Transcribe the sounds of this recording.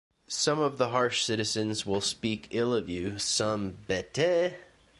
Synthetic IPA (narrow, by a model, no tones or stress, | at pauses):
sʌ̃mʌvðəɦɑɹʃsɪɾɨzɨ̃nzwɪlˠspikʰɪlˠʌvjʉsʌ̃mbɛtʰe